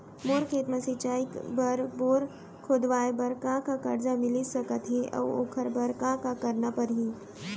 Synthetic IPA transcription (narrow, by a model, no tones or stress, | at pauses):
moːɾkʰeːt̪məsɪt͡ʃaːikbɐɾboːɾ | kʰoːd̪ʋaːebɐɾkãkakɐɾd͡ʒamɪlisɐkət̪ɦẽʔɐ̰ːo̰ːkʰəɾbɐɾkãkakɐɾnapɐɾɦi